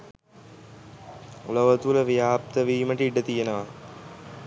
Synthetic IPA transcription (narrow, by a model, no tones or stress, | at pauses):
uləʋət̪uləʋijaːp̚t̪əʋiːməʈəiɖət̪ijenəʋa